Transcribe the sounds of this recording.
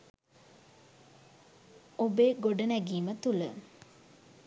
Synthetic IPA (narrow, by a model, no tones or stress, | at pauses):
obeːɡoɖənæɡiːmət̪ulə